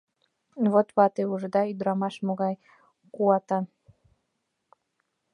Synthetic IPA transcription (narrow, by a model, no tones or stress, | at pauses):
βot̪βɑt̪euʒd̪ɑid̪ɾɑmɑʃmoɣɑj | kuɑt̪ɑ